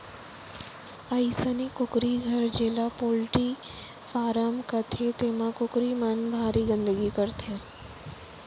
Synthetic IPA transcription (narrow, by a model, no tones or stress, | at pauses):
əisənekʊkɾiɡʱəɾd͡ʒeːlapoːlʈi | faːɾəmkət̪ʰet̪eːmãkʊkɾimənbʱaːɾiɡə̃nd̪əɡikəɾt̪ʰe